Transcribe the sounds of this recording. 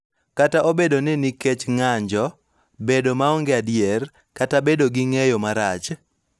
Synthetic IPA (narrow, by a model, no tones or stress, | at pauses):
kataʔobedonɪniket͡ʃŋaɲd͡ʒɔ | bedomaɔŋɡeadjɛr | katabedoɡiŋejomaɾat͡ʃ